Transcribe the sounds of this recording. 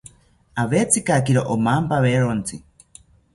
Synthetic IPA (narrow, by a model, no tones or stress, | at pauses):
aβet͡sikakiɾoʔomampaβeɾont͡si